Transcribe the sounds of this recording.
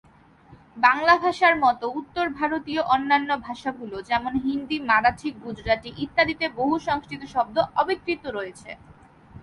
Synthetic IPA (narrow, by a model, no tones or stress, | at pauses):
baŋlabʱaʃaɾmɔt̪out̪ːoɾbʱaɾot̪ioʔɔnːanːobʱaʃaɡulod͡ʑɛmonɦind̪imaɾat͡ɕʰik̚ɡud͡ʑɾaʈiʔit̪ːad̪it̪eboɦuʃɔŋskɾit̪oʃɔb̚d̪oɔbit̪ːɾit̪oɾojet͡ɕʰḛ